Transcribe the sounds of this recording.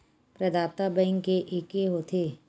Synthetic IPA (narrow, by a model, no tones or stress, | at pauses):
pɾɐd̪aːt̪abəɪ̃ŋɡkeʔeːkeɦoːt̪ʰeː